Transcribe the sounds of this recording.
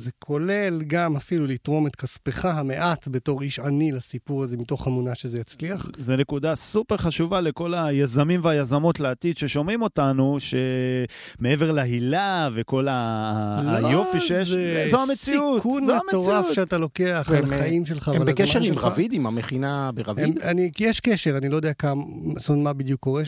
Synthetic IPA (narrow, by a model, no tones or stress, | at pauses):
zekʰo̞le̞lɡamafilulit̪ʁo̞met̪kaspeχaɦame̞ʔat̪be̞to̞ʁiʃanilasipuʁazemito̞χamunaʃezejat͡sliaχzene̞kud̪asupeʁχaʃuvale̞ko̞lajazamimveajazamo̞tleatid̪ʃe̞ʃo̞mʁimo̞tanuʃe̞ | meeveʁlaɦilaveko̞la | jofiʃezoamet͡siutkunmeamteoʁafʃeat̪alo̞ke̞aχlmaimʃelχaːvvalbeakeʃeʁimʁavid̪imameχinabeʁavimanikijeʃkeʃeʁanilojd̪eakam | sonmabid̪jukːo̞ʁe